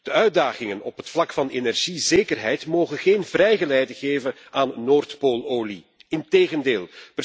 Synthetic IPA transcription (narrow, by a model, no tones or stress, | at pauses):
d̥əœɥdaːɣɪŋənɔpɦətflɑkfɑnenɛrʒizeːkərɦɛjtmoːɣənɣeːnvrɛjɣəlɛjdəɣeːvən | aːnːoːrtpoːlˠoːli | ɪnteːɣəndeːlˠpə